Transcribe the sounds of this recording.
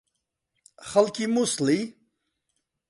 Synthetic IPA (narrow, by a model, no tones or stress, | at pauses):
xalkimusli